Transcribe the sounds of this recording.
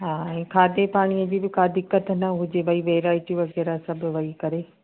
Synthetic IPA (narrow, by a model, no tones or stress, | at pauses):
ɦaːɛ̃ːkʰaːd̪epaːɽ̃iəd͡ʑiːbɪkaːd̪ɪkːət̪nɐʊɦɪd͡ʑebɐiʋeːɾaːɪʈiʋɐɣɛːɾasɐbʱʊ̆ʋɐikɐɾe